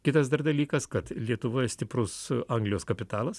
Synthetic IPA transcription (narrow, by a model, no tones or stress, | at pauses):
kʲɪt̪ɐsd̪ɐrd̪ɐlʲiːkɐskɐt̪lʲiɛt̪ʊʋoːjɛsʲt̪ʲɪpɾʊsɐŋɡlʲɪjoːskɐpʲɪt̪ɑːlˠɐs